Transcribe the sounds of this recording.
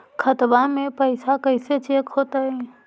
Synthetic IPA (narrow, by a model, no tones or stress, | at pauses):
kʰət̪bamẽpəɪsakəɪset͡ʃeːkɦoːt̪aɦɛː